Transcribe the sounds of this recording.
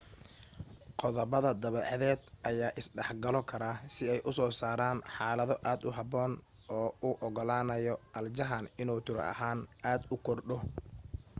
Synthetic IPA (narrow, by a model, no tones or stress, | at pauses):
qɔðɐβɐðɐd̪ɐβɛːʕɑðɛːd̪ʔɐjaːʔɪsɖɛħɡɐlɔkʰɐɾaːsɪɛjʔʊsɔːsaːɾaːnħaːlɐðɔʔaːd̪ʊɦɑbɔːn | ʔɔːʊʔɔɣɔlaːnɐjɔʔɐld͡ʒɐɦanɪnuːt̪ʰɪɾ̰ɐ̰haːnaːd̪ʊkʰɔrɖɔ